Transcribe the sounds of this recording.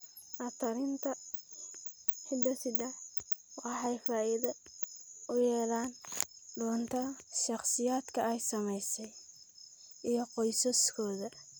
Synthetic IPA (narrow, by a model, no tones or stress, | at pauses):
ʔɐt̪ʰɐɾɪnt̪ʰɐ | ħɪd̪ɐsɪd̪ɛħ | wɑħɛjfaːʔɪðɐ | ʊjɛːlaːnɖɔːnt̪ʰɐʃɑχsɪjaːd̪kʰɐɛjsɐmɛjsɛj | ʔijɞqɔjsɐskʰɔːðɐ